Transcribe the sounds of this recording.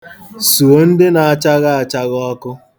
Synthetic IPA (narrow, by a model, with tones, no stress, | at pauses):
su˨o˨˦n̩˦dɪ˦na˨a˨t͡ʃa˦ɣa˦a˨t͡ʃa˦ɣɔ˦kʊ˦